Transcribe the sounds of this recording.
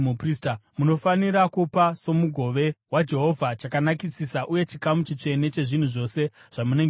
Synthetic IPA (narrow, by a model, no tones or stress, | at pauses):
upristamuno̞faniɾakupaso̞muɡʱo̞ʋe̞wad͡ʒe̞ɦo̞vʱat͡ʃakanakisisaʔuje̞t͡ʃikamut͡ʃit͡ʂe̞ne̞t͡ʃe̞ʐin̤uʐo̞se̞ʐ̥amuneŋɡ